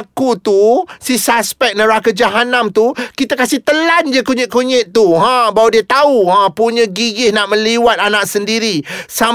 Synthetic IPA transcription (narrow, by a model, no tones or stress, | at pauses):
kut̪usisaspɛk̚nə̃ɾakad͡ʒaɦanamt̪ukit̪akasɪht̪əland͡ʒəkuɲɪʔ̪̚kuɲɪʔt̪uɦãbawdiət̪auɦãpuɲə̃ɡiɡɪhnaʔmə̃liwat̪̚anak̚səndiɾisa